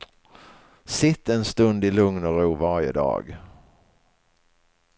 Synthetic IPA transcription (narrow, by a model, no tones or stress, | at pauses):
sɪt̪ːɛnst̪ɵnd̪ɪlɵŋnɔɾuːvaɾjə̰d̪ɑ̰ːɡ